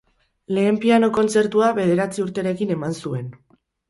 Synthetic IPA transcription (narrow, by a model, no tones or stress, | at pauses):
le̞ːmpiano̞ko̞nt͡se̞ɾt̪uaβe̞ðe̞ɾat͡siuɾt̪e̞ɾe̞kine̞mansue̞n